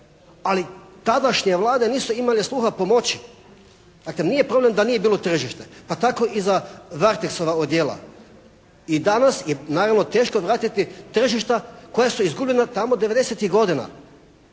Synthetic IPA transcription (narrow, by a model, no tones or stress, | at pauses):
alit̪ad̪aʃɲeʋlˠaːd̪eniːsuimaleslˠuːxapo̞mo̞t͡ɕi̥ | d̪akleniːje̞pɾo̞ble̞md̪anije̞biːlˠo̞t̪r̩ʒiʃt̪epat̪ako̞ʔizaʋaɾt̪eksoʋaod̪jeːlˠa̰ | id̪anasjenaːɾaʋno̞t̪e̞ːʃkoʋɾaːt̪it̪it̪r̩ʒiʃt̪ako̞jasuizɡublʎenat̪amod̪eʋe̞d̪e̞set̪iɦɡo̞d̪ina̰